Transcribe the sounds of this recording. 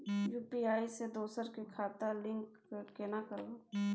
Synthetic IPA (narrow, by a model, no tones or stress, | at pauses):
juːpiaːised̪oːsəɾkekʰaːt̪alɪ̃ŋk | kenakəɾoː